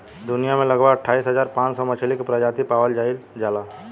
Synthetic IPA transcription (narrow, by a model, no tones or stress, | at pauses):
d̪ʊnijamẽləɡʋaəʈʰːaːisɦəzaːɾpãːt͡ʃsɔmət͡ʃʰelikpɾəd͡ʒaːt̪ipaːwəld͡ʒaːild͡ʒaːla